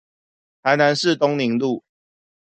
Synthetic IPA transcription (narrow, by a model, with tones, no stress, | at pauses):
t̪ʰa˨˦ɪna˨˧˦nʂɻ̩˥˨t̪ʊ˦ŋni˨˦ŋlu˥˨